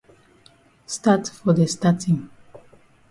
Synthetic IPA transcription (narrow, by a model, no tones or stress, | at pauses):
statfɔdəstatĩŋ